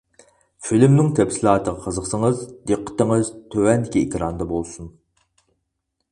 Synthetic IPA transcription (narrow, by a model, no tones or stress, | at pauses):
filmnɪŋt̪ʰɛpsilˠɑːt̪ʰəʁɑqʰəzəqsəŋəzd̪eqʰːə̥t̪əŋɨzt̪ʰøwɛnd̪ɪkʲiekʲɾɑnd̪ɑbolˠsun